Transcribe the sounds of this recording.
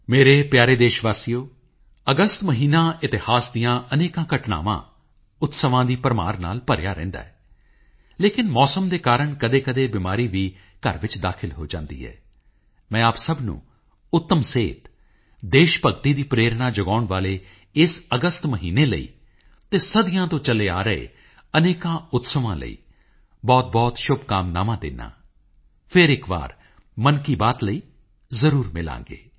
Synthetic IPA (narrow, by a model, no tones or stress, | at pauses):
meːɾeːpjaːɾeːd̪eːʃʋaːsijoː | əɡəst̪məɦiːnãːʔɪt̪ɪhaːsd̪ijãːəneːkãːkəʈna̰ːʋã̰ː | ʊt̪səʋãːd̪iːpəɾma̰ːɾna̰ːlpəɾɪjaːɾɛ̰̃ːnd̪a̰ːɛː | leːkɪnmɔːsəmd̪eːkaːɾəɳkəd̪eːkəd̪eːbɪmaːɾiːʋiː | kə̰ɾʋɪt͡ʃd̪aːkʰɪlɦo̰ːd͡ʒã̰ːnd̪ḭːɦɛ̰ː | mɛ̃ːaːpsəbnṵ̃ː | ʊt̪ːəmseːt̪ | d̪eːʃpəɡt̪iːd̪iːpɾeːɾnaːd͡ʒəɡaːʊɳʋaːleː | ɪsəɡəst̪məɦiːneːlə̰ḭː | t̪eːsəd̪ijãːt̪õːt͡ʃəleːaːɾəḛː | əneːkãːʊt̪səʋãːlə̰ḭː | bɔːt̪̚bɔːt̪ʃʊbkaːmnaːmãːd̪ɪ̰nːa̰ː | pʰɪɾɪkʋa̰ːɾ | mənkiːbaːt̪ləiː | zəɾuːɾmɪlã̰ːŋɡḛː